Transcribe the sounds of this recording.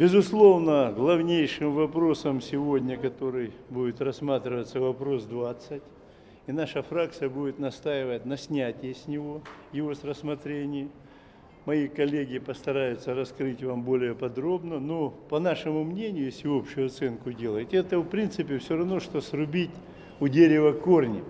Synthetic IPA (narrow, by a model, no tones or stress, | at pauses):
bʲɪzʊslˠo̞vnəɡlˠɐvnʲejʂɨmvɐpɾo̞səmsʲɪvo̞dʲnʲəkɐt̪o̞ɾɨjbudʲɪt̪rɐsmat̪ɾʲɪvət̪səvɐpɾo̞sd̪vat̪sɨtʲ | inaʂəfɾakt̪sɨjəbudʲɪt̪nɐst̪ajɪvət̚ʲnɐsʲnʲætʲɪjəsʲnʲɪvo̞jɪvo̞srəsmɐt̪ɾʲenʲɪj | mɐjikɐlʲeɡʲɪpəst̪ɐɾajʊt̪səɾɐskɾɨtʲvambo̞lʲɪjəpɐd̪ɾo̞bnəno̞pɐnaʂɨmʊmnʲenʲɪjʊjesʲɪo̞pɕʊjʊɐt̪sɛnkʊdʲelˠəjɪtʲɛt̪əfpɾʲint̪sɨpʲɪfsʲoɾɐvno̞ʂt̪o̞srʊbʲitʲ | ʊdʲeɾʲɪvəkornʲɪ